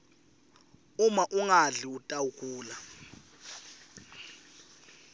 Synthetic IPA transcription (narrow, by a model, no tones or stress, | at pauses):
umaʔuŋaɮiutʼawukʰʼuːla